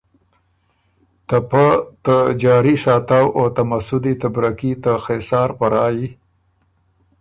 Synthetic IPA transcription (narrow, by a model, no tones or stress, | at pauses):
t̪apət̪əd͡ʒɑːɾiʂɑːt̪awʔot̪amasʊd̪it̪abɾakit̪əxesɑːɾpaɾɑːji